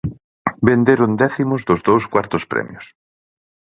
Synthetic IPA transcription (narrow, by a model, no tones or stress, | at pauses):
bend̪eɾʊnd̪ɛθimʊzðʊzðowskwaɾt̪ʊspɾɛ̰mjʊs